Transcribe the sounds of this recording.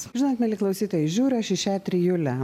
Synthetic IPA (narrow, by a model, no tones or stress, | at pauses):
ʒʲɪnoːt̪mʲɛlʲɪklˠɐʊsʲiːt̪oːjɛʒʲuːɾʲɐʃɪʃʲæːt̪ʲɾʲijuːlʲɛ